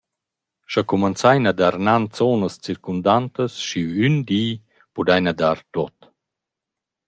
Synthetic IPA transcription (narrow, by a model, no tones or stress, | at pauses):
ʃakumant͡sajnad̪aɾnant͡sɔːnəst͡siɾkund̪ant̪əsʃiynd̪iː | pud̪ajnad̪aɾt̪ɔt̪